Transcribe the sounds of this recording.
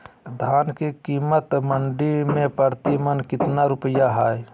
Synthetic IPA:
d̪ʱaːnkekiːmət̪məɳɖimẽpəɾt̪imənkɪt̪naɾʊpəjaɦaːj

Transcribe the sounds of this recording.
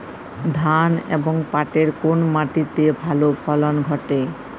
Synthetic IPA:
d̪ʱanḛboŋpaʈeɾkonmaʈit̪ebʱalopʰɔlonɡʱɔʈe

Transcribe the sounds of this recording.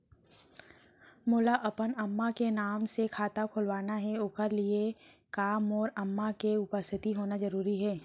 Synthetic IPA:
mʊːlaʔɐpənɐmːakenaːmsekʰaːt̪akʰʊlʋaːnaɦɛoːkəɾliekaːmɔːɾɐmːakeʊpəst̪ʰɪt̪iɦoːnazɐɾuːɾiɦɛː

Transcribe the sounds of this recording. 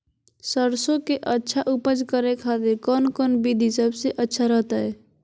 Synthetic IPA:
səɾsokeʔətːʃʰaʔupəd͡ʒkəɾekʰad̪ekɔnkɔnbid̪ʱisəbseʔətːʃʰaɾəɦt̪əj

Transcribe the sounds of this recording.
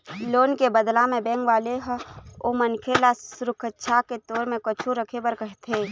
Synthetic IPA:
loːnkebəd̪lãmẽbẽːŋɡʋaːleɦomənkʰelasɾʊkʰətːʃʰaket̪oːɾmẽkət͡ʃʰuɾəkʰebəɾkəɦt̪ʰe

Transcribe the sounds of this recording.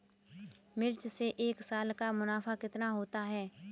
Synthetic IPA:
mɪɾt͡ʃseʔeːksaːlkamʊnaːfakɪt̪naɦoːt̪aɦɛː

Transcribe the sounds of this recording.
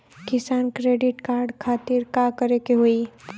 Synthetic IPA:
kɪsaːnkɾeːɖɪʈkaːɾɖkʰaːt̪ɪɾkakəɾekeɦoi

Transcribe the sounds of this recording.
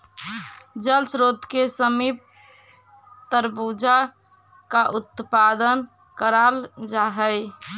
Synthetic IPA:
d͡ʒəlsɾod̪kesəmip̚ | t̪əɾbud͡ʒa | kaʔut̪pad̪ən | kəɾald͡ʒaɦəj

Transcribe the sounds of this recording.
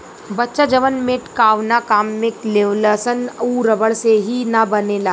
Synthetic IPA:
bɐtːʃad͡ʒɐʋənmeːʈkaːʋnakaːmːẽkleːʋləsənuːɾɐbəɽseɦinabɐnelaː

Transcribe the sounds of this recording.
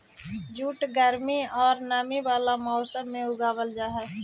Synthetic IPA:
d͡ʒuːʈɡəɾmiɔːɾnaːmiʋaːlamɔːsəmːẽʊɡaːwəld͡ʒaːɦɛː

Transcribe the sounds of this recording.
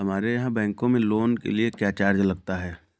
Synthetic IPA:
ɦɐmaːɾejɐɦãbɛ̃ːŋkõmẽloːnkḛliekjaːt͡ʃaːɾd͡ʒlɐɡ̚t̪aɦɛː

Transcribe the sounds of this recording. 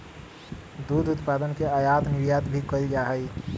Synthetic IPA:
d̪uːd̪ʱʊt̪paːd̪ənkeajaːt̪nɪʋjaːt̪bʱikəld͡ʒaɦəi

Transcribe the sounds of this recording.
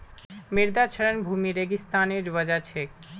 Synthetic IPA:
miɾd̪at͡ɕʰeɾenbʱumiɾeɡist̪aneɾʋəd͡ʑat͡ɕʰek̚

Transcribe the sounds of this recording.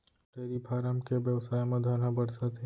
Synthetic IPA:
ʈeːɾipʰaːɾəmkebjəʋsaːjmɐ̃d̪ʱaːnabɐɽsat̪ʰe

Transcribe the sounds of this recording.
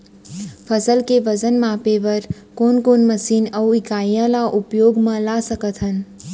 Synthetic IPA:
pʰəsəlkeʋəd͡ʒənmãpeʋəɾ | koːnkoːnməsiːnəwikaːjə̃laʔʊpjoːɡmãlasəkət̪ʰɦən

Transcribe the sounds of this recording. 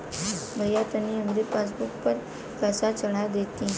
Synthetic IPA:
bʱəjat̪əniəmɾipas̬buk̚pəɾ | kəsat͡səɽad̪et̪ĩ

